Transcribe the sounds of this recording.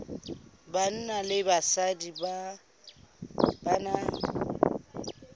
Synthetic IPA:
ban̩nalɪbasadiba | bana

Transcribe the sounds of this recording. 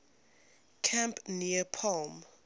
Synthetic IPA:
kʰãmpniəpʰɔlm

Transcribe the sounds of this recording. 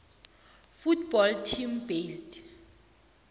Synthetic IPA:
futʰb̥ɔltʰimbesd

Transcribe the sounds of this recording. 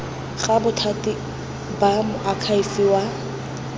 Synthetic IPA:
ɣabʊtʰatʼɪ | bamʊʔakʰaifiwa

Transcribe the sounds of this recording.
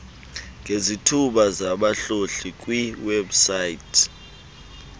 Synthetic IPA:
ŋɡʱezitʰuɓazaɓaɬoɬik̬ʼwiwebsaitʰ

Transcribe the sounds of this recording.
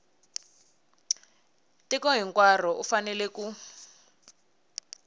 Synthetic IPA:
tikɔɦiŋkwar̤ɔʔufanɛlɛku

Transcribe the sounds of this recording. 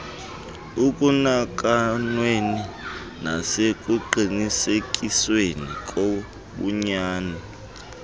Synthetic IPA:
ukʼunak̬ʼanweni | nasekʼuǃinisek̬ʼiswenikʼo | ɓṵɲaːna

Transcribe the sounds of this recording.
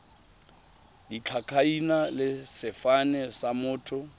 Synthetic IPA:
dit͡ɬʰakʰainalɪsɪfanɛsamʊːtʰʊ

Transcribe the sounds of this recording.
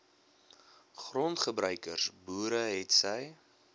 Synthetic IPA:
χrɔntχəbɾœɥkərsbuːɾəɦɛtsəj

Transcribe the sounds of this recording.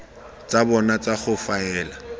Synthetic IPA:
t͡sabɔnat͡saχʊfaɛːla

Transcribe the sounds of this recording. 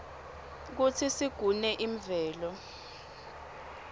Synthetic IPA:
k̬ut͡sʰisiɡ̥ʱunɛʔiɱvɛːlɔ

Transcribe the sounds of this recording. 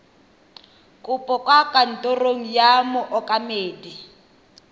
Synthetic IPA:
kʼʊpʼɔkʼwakʼan̩tʼoroŋ̩jamʊʔɔkʼameːdi

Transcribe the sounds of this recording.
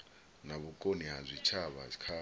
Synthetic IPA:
naβukʼoniɦazʷit͡ʃʰaβakʰa

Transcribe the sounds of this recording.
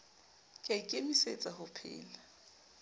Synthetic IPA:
kʼakʼemiset͡sʼahʊpʰɪ̰ːla

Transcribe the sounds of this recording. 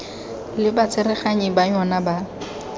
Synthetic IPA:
lɪbat͡sʰʼɪrɛχaɲɪbaɲɔnaba

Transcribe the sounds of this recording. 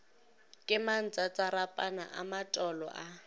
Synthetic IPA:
kʼɪman̩t͡sʼat͡sʼaɾapʼanaʔamatʼɔlɔ̰ʔa

